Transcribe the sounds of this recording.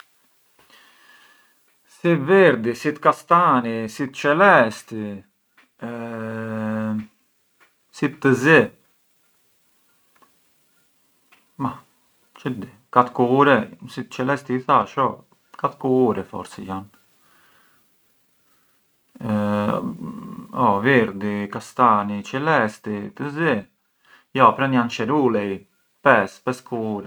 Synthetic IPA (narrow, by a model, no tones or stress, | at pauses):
sivɛɾd̪isit̪kast̪anisit̪t͡ʃɛlɛst̪i | sit̪ːəzɛ | ma | t͡ʃəd̪i | kat̪kuuɾɛsit͡ʃɛlɛst̪iθaʃɔ | kat̪kuuɾɛfɔ̰ɾsɛ̰jan | ɔvɛɾd̪ikast̪anit͡ʃɛlɛst̪it̪əzi | jɔpɾɛnjant͡ʃɛɾulɛj | pɛspɛskʰuuɾɛ